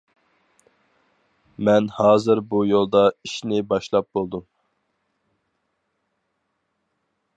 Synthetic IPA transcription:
mɛnhɑːzɨɾbujolˠd̪ɑiʃnɪbɑʃlˠɑp̚bolˠd̪um

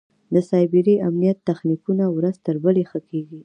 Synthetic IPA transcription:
d̪əsɑjbɪɾiamnijat̪ːaxnikunawɾazt̪əɾbəlexəkeɡi

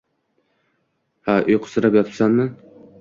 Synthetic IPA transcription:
haʔʊjqʰʊ̥sɨɾapjɒt̪ʰpsanmɪ

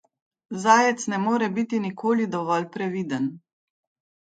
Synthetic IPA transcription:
zaːjɛt̪snɛmoːɾɛbit̪inikʰoːlid̪ɔʋɔlpɾɛʋiːd̪ən

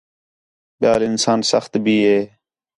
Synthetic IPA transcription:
ɓɪjaːlɪnsaːnsəxt̪bʱiːɦeː

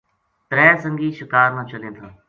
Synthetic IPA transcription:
t̪ɾɛːsə̃ŋɡiːʃɪkaːɾnãːt͡ʃəlẽːt̪ʰaː

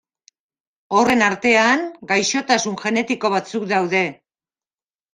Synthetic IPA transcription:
o̞re̞naɾt̪e̞aŋɡajʃo̞t̪asunʝe̞ne̞t̪iko̞β̞at͡sukd̪awðe̞

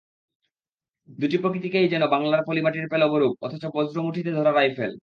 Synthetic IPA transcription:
d̪uʈipɾokɾit̪ikejd͡ʑɛnobaŋlaɾpolimaʈiɾpelɔboɾub̚ɔ̰t̪ʰot͡ɕopod͡ʑɾomuʈʰit̪ed̪ʱɔɾaɾajfel

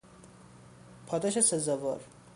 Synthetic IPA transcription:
pʰɒd̪ɒʃesezɒvɒ̰ɾ

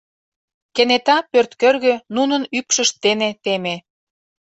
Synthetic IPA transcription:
kenet̪ɑpørt̪kørɣønunənypʃəʃt̪ːenet̪eme

